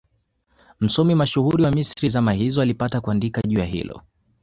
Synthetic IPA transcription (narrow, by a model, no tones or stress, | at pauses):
m̩sɔmimaʃuɣuɾiwamisɾizamahizɔalipatakuandikaʄuaɦḭlɔ̰